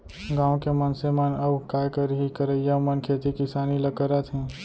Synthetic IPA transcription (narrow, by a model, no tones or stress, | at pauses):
ɡãːʋwkemənsemənɐbkaːjkəɾɦikəɾəjamənkʰeːt̪ikɪsaːnilɐkəɾət̪ʰɦɛ̃ː